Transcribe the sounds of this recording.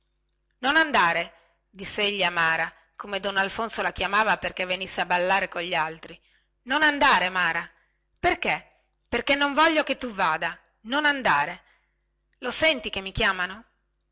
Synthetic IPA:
nonand̪aːɾe | d̪isːeeʎːiamaːɾa | komed̪onːalfonsolakjamaːvaperkevːenisːeabalːaːɾekoʎːialt̪ɾi | nonand̪aːɾemaːɾa | perke | perkenːoɱvɔʎːoket̪ːuvaːd̪a | nonand̪aːɾe | losɛnt̪ikemːikjaːmano

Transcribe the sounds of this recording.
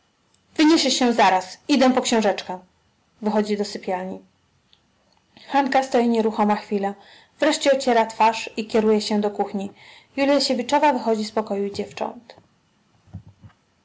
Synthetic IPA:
vɘɲɛʂɘɕɛzaɾasid̪ɛ̃pɔkɕɛ̃w̃ʐɛt͡ʂka | vɘxɔd͡ʑid̪ɔsɘpʲjalɲi | xaŋkast̪ɔjiɲeɾuxɔmaxfʲila | vɾɛʂt͡ɕɛɔt͡ɕɛɾat̪faʂikʲɛɾujɛɕɛd̪ɔkuxɲi | julʲjaɕevʲit͡ʂɔvavɘxɔd͡ʑispɔkɔjud͡ʑɛft͡ʂɔ̰nt̪

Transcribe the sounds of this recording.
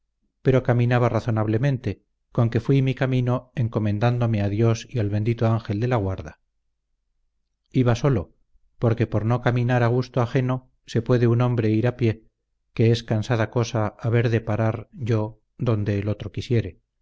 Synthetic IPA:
peɾo̞kamĩnaβaraθo̞naβ̞le̞mẽ̞nt̪e̞ | ko̞ŋke̞fwimikamĩno̞e̞ŋko̞mẽ̞nd̪and̪o̞me̞aðjo̞sialβe̞nd̪it̪oaŋxe̞ld̪e̞laɣwaɾða | iβaso̞lo̞ | po̞ɾke̞poɾno̞kamĩnaɾaɣ̞ust̪oaxe̞no̞ | se̞pwe̞ðe̞unõ̞mbɾe̞iɾapje̞ | ke̞eskansaðako̞saːβe̞ɾðe̞paɾaɾʝo̞ | ðo̞nd̪e̞ːlo̞t̪ɾo̞kisje̞ɾe

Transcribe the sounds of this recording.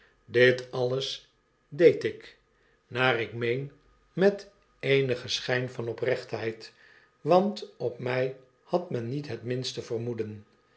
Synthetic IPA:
dɪtɑləs | dejtɪk | naːrɪkmejn | mɛt | ejnəχəsχɛjnfɑnɔprɛχtɦɛjt | ʋɑntɔpmɛj | hɑtmɛnːitɦətmɪnstəvərmudən

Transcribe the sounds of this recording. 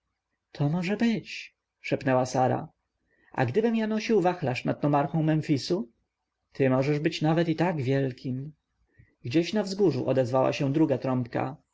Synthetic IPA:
t̪ʰɔmɔʐɛbɘt͡ɕ | ʂɛpnɛwasaɾa̰ | ʔa̰ɡd̪ɘbɘmjanɔɕiwvaxlaʂnad̪̚nɔmaɾxɔ̃w̃mɛnfʲisu | t̪ʰɘmɔʐɛʐbɘt͡ɕnavɛt̪it̪aɡvʲjɛlkʲim | ɡd͡ʑeɕnavzɡuʐuʔɔd̪ɛzvawa̰ɕɛ̃d̪ɾuɡat̪ɾɔmpka̰

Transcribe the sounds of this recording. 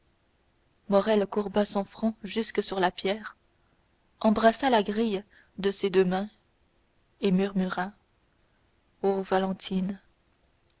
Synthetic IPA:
mɔʁɛlkuʁbasɑ̃fχɑ̃ʒyskəsyʁlapjɛːʁ | ɑ̃bʁasalaɡʁij | d̪əsed̪ømɛ̃ | emyʁmyʁa | ovalɑ̃t̪ʰin

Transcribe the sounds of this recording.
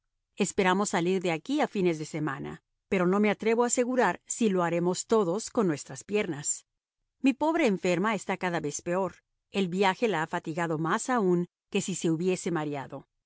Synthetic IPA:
e̞spe̞ɾamo̞sːaliɾðe̞akiafine̞zðe̞se̞mãna̰ | pe̞ɾo̞no̞me̞at̪ɾe̞βoase̞ɣuɾaɾsilo̞aɾe̞mo̞st̪o̞ðo̞sko̞nːwe̞st̪ɾaspje̞ɾnas | mipo̞βɾe̞ːɱfe̞ɾmaest̪akaðaβe̞spe̞o̞ɾ | e̞lβjaxe̞laafat̪iɣaðo̞masauŋ | ke̞sise̞uβje̞se̞maɾjaðo̞

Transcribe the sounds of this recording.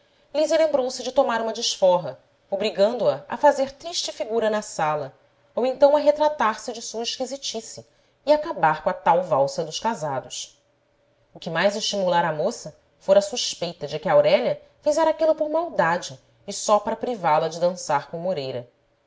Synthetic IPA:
lizjɐlẽmbɾowsɪd͡ʒɪt̪omaɾũmɐd͡ʒɪʃfɔɦɐ | obɾiɡɐ̃nd̪ʊɐɐ̰fazeɾt̪ɾiʃt͡ʃɪfiɡuɾɐnɐsalɐ | owẽnt̪ɐ̃w̃ɐɦet̪ɾat̪aɾsɪd͡ʒɪsuɐiʃkizit͡ʃisiː | akabaɾkõɐat̪awvawsɐd̪ʊʃkazad̪ʊʃ | ʊkɪmajzɪʃt͡ʃimulaɾɐmosɐ | foɾɐsuʃpejt̪ɐd͡ʒɪkɪawɾɛʎɐ | vizɛɾakilɐpoɾmawd̪ad͡ʒɪː | sɔpaɾɐpɾivalɐd͡ʒɪd̪ɐ̃saɾkõmoɾejɾɐ̰

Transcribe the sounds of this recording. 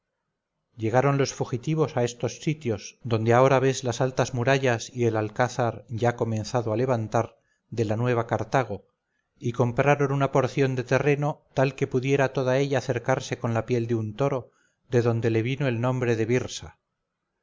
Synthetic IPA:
ʎe̞ɣ̞aɾo̞nlo̞sfuxit̪iβ̞o̞sae̞st̪o̞sːit̪jo̞zd̪o̞nd̪eao̞ɾaβe̞zlasalt̪azmuɾaʎasie̞lalkaθaɾʝako̞mẽ̞nθaðoale̞βant̪aɾ | ðe̞lanwe̞β̞akaɾt̪aɣ̞o̞ | iko̞mpɾaɾo̞nunapo̞ɾθjo̞nd̪e̞t̪e̞re̞no̞t̪alke̞puðje̞ɾat̪o̞ðae̞ʎaːθe̞ɾkaɾse̞ko̞nlapje̞ld̪eunt̪o̞ɾo̞ | ðe̞ðo̞nd̪e̞le̞βino̞e̞lnõ̞mbɾe̞ðe̞βiɾsa̰

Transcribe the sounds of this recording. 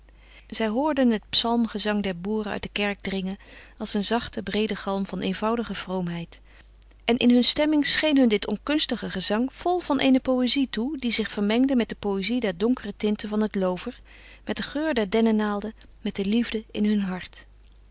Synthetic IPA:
z̥ɛjɦʊːɹdənɦət̚psɑlˠmχəzɑŋdɛɹbuːrəœ̰ɥt̚dəkɛɹɡ̚drɪŋən | ɑlˠsənzɑχtəbrejdəχɑlˠmvɑnejnvɑwdəχəv̥rowmɦɛjt | ʔɛnʔɪnɦɵnstɛmɪŋsχejnɦɵndɪtɔnkɵnstəχəχəzɑŋv̥ɔlˠv̥ɑnʔejnəpowezitudizɪχfəɹmɛŋdəmɛt̚dəpowezidɛɹdɔŋkərətɪntəvɑnɦətlowvəɹ | mɛt̚dəχøːɹdɛɹdɛnənaːlˠdə | mɛt̚dəlivdəɪ̰nɦɵnɦɑɹt

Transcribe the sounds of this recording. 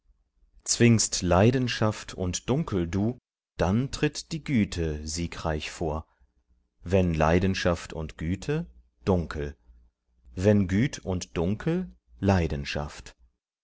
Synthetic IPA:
t͡sv̥ɪŋstlaɪdn̩ʃaftʰʊ̰ntd̥ʊŋkl̩duː | d̥antʁ̥ɪtd̥iːɡyːtʰəziːkʁaɪçfoːɐ | vɛnla̰ɪdn̩ʃaftʰʊ̰ntɡ̥yːtʰə | d̥ʊŋkʰl̩ | vɛnɡyːtʰʊntd̥ʊŋkʰl̩ | laɪdn̩ʃa̰ft

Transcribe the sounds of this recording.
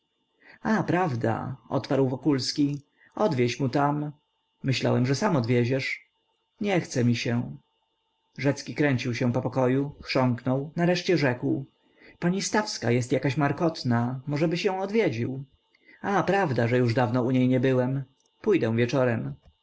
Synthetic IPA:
apɾavd̪a̰ɔ̰t̪paɾwvɔkulskʲi | ɔd̪vʲjeɕmut̪am | mɘɕla̰wɛmʐɛsamɔd̪vʲjɛd͡ʑɛʂ | ɲɛxt̪sɛmʲiɕɛ | ʐɛt̪skʲikɾɛɲt͡ɕiwɕɛ̃pɔpɔkɔjuxʂɔŋknɔwnaɾɛʂt͡ɕɛʐɛkw | paɲist̪afska̰jɛst̪jakaɕmaɾkɔt̪namɔʐɛbɘɕɛ̃w̃ɔd̪vʲjɛd͡ʑiw | apɾavd̪aʐɛjuʐd̪avnɔuɲejɲɛbɘwɛm | pujd̪ɛ̃w̃vʲjɛt͡ʂɔɾɛm

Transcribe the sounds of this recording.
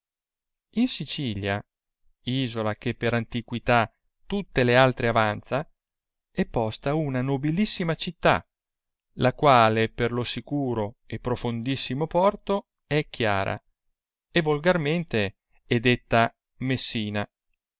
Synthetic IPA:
insit͡ʃiːlja̰ | iːzolak̟epːeɾant̪ikwit̪a | t̪ut̪ːelealt̪ɾeavant̪sa | ɛpːɔst̪aunanobilisːimat͡ʃit̪ːa̰ | lakwaːleperlosikuːɾoepːɾofond̪isːimopɔrt̪o | ɛkʰːja̰ːɾa̰ | evolɡarment̪e | ɛd̪et̪ːa | mesːiːna

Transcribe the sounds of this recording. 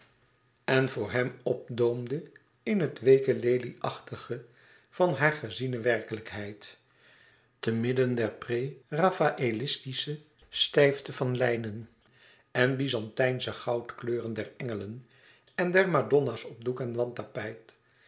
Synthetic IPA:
ɛnvʊːɹɦɛmɔp̚dowmdə | ɪnɦətʋejkəlejliʔɑχtəχə | v̥ɑnɦaːɹχəzinəʋɛrkələkɦɛjt | təmɪdəndɛɹprerafaʔelɪstisə | stɛjftəvɑnlɛjnən | ɛnbizɑntɛjnsəχɑwtkløːrəndɛɹɛŋələn | ɛndɛɹmadɔnasɔb̚dukɛnʋɑntapɛjt

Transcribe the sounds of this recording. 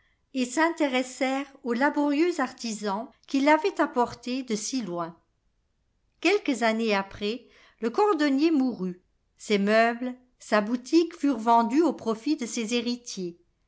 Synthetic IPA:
esɛ̃t̪eʁɛsɛʁolabɔʁjøzaʁt̪izɑ̃kʲilavɛt̪apɔʁt̪ed̪əsilwɛ̃ | kʲɛlkəzaneapχɛ | ləkɔʁd̪ɔnjemuʁy | sɛmœbl | sabut̪ʰikfyʁvɑ̃d̪yopχɔfid̪əsɛzeʁit̪je

